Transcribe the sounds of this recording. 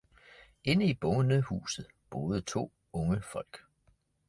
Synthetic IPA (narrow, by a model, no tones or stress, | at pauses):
e̝nəib̥ɔ̽ʊənəhṵːsð̞̩ˠb̥o̝ːð̩ˠət͡sʰo̝̰ː | ɔ̽ŋəfɒ̽l̰ɡ̥